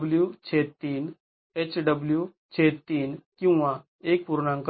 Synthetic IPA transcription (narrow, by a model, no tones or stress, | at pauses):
bljut͡ɕʰet̪iːn | et͡ɕɖəblju | t͡ɕʰet̪iːnkĩw̃ʋa | ek̚puɾɳãŋk